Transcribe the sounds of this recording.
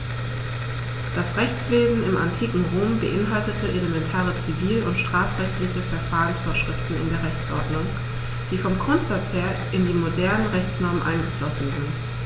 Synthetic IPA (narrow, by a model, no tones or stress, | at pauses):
d̥asʁɛçt͡sv̥eːzn̩ɪmʔantʰiːkŋ̩ʁoːmbə̰ʔɪnɦaltətʰəʔeləmɛntʰaːʁət͡siviːləʊntʃtʁ̥aːfʁ̥ɛçtlɪçəfɛɐfaːʁənsfoːɐʃʁ̥ɪftn̩ɪ̰ndeːɐʁɛçt͡sʔɔ̰ɐdnʊŋ | d̥iːfɔmɡʁʊntz̥at͡sheːɐʔɪndiːmodɛɐnənʁɛçt͡snɔɐmənʔa̰ɪnɡəflɔsn̩zɪnt